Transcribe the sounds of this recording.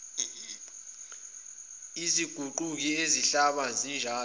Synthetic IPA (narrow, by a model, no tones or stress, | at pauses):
iziɡ̥ʱuǃuk̬ieziɬaɓazind͡ʒʱaː